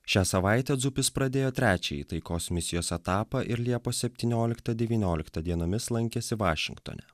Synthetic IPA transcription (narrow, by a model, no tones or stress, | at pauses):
ʃʲæːsɐʋɑˑɪt̪ʲɛd̪zʊpʲɪspɾɐd̪ʲeːjoːt̪ʲɾʲæːt͡ʃʲɛḭːt̪ɐɪkoːsmʲɪsʲɪjoːsɛt̪ɑːpɐʔɪɾlʲiɛpoːsʲɛpʲt̪ʲiːnʲoːlʲɪkt̪ɐd̪ʲɛʋʲiːnʲoːlʲɪkt̪ɐd̪ʲiɛnoːmʲɪslˠɐŋʲkʲɛsʲɪʋɑːʃʲɪ̰ŋkt̪o̰nʲɛ̰